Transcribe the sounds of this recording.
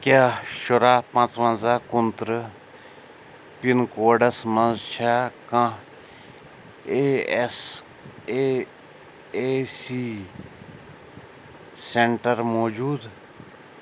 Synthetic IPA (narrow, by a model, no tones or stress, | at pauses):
kʲaːʃʊɾaːpɐ̃t͡sʋɐ̃nzaːkʊnt̪ɾɨ | pinkoːɖɐsmɐnzt͡ʃʰaːkã | es | e | esi | seɳʈɐɾmoːd͡ʒuːd̪